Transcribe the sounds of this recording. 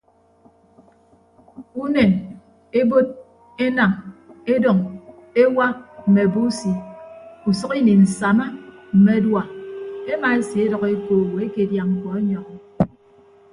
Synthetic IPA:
u˦ne˨n | e˦bo˦d̚ | e˦na˨ŋe˦dɔ˨ŋe˦wa˦m̩˨me˨bu˦si˨u˨sʌ˦ki˦ni˨n̩˨sa˨ma˦m̩˨me˨˦dwa˨e˦ma˨e˦si˨e˦dʌ˨ɣe˦koː˨wo˨e˦ke˨dja˨ŋŋ̩˨kɔ˨e˦ɲɔ˨ŋɔ˨

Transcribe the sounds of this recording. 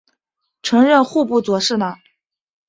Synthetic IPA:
ʈ͡ʂʰɤ˧˥ŋɻə˥˧nxu˥˧pu˥˩t͡swɔ˧˥ʂɻ̩˥˩nə˩

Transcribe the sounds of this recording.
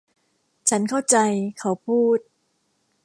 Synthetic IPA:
t͡ɕʰa˦˥nkʰa˥˩wt͡ɕa˧jkʰa˦˥˦wpʰuː˥˩t̪̚

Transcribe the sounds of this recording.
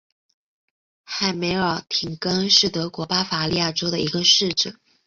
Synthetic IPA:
xa˥˩ɪme˧˥ɪə˞˨˩t̪ʰi˨˩ŋkɤ˥ŋʂɻ̩˥˩t̪ɤ˧˥kwɔ˧˥pa˥fa˧˥li˥˧ja˥˩ʈ͡ʂo˥ʊd̪ə̰˨˧i˧˥ɡə˧ʂɻ̩˥˩ʈ͡ʂə˨˩˦

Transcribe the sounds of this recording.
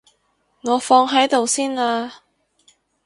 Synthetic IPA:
ŋɔː˨˧fɔː˧ŋɦɐ˨˥jt̪o˨wsiː˥naː˧

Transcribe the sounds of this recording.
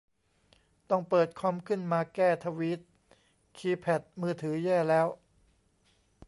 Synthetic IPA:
t̪ɔ˥˩ŋpɤː˨˩t̪̚kʰɔ˦˥mkʰɯ˥˩nmaː˧kɛː˥˩t̪ʰa˧wiː˦˥t̪̚ | kʰiː˧pʰɛ˨˩t̪̚mɯː˥˩t̪ʰɯː˩˦jɛː˥˩lɛː˦˥w

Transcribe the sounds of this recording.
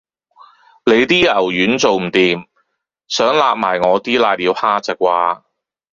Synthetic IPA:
le˨˧jt̪iː˥ɐ˨˩wjyː˨˥nt͡so˨wm̩˨˩t̪iː˨m | sœː˨˥ŋlaː˧p̚maː˨˩jŋɔː˨˧t̪iː˥laː˧jliː˨˧˥whaː˥t͡sɐ˨˩k̚waː˧

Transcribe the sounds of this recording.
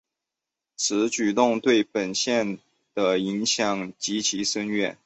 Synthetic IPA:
t͡sʰɹ̩˧˥t͡ɕy˨˩t̪ʊ˥˧ŋt̪we˥˩ɪpə˨˩nɕjɛ˥˩n | d̪̥ə˩i˧˥ŋɕjɑ˨˩ŋt͡ɕi˧˥t͡ɕʰi˧˥ʂə˥nɥɛ˥˩n

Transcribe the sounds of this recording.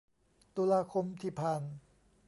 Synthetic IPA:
t̪uː˧laː˧kʰo˧mt̪ʰiː˨˩pʰaː˧n

